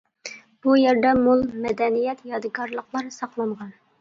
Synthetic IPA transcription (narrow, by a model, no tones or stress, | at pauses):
b̥ujɛɾd̪ɛmulˠmɛd̪ɛnijɛt̪jɑd̪ɨɡɑɾlˠəqlˠɑɾsɑqlˠɑɴʁɑn